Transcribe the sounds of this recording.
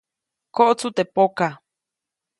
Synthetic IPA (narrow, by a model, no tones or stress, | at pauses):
koʔot͡sut̪epoka